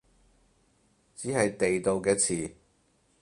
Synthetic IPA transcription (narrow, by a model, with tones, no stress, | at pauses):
t͡siː˨˥hɐ˨jt̪e˨jt̪o˨˧wkɛː˧t͡sʰiː˨˩